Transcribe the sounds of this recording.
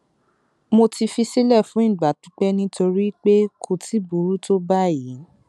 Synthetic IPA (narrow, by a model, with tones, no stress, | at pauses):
mo˧ti˧fi˧si˦lɛ˦˨fũ˨˦ĩ˦˨ɡ͡ba˨tũ̥˨˦k͡pɛ˦nĩ˦to˧ɾi˦k͡pe˦kʰo˧tʰi˦bu˨ɾu˦to˦ba˦˨ji˨˦